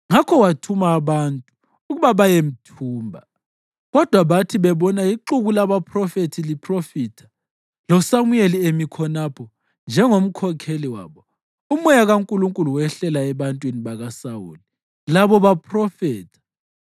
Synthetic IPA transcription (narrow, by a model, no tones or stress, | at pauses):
ŋakʰɔwatʰumaːβantʼuː | ɣuβaβajem̩tʰuːmbʱa | ɣɔd̥ʱwaβatʰiβɛβɔnaiǃuɣulaβapʰrɔfetʰilipʰrofiːtʰḁ | lɔsamujeliemikʰɔnapʰɔ | nd͡ʒʱɛŋom̩kʰɔkʰeliwa̰ːβɔ | umɔjaɣaŋkʼuluŋkʼuluwɛɬɛlaɛβantʼwiniβaɣasawṵːli | laβɔβapʰrɔfɛːtʰḁ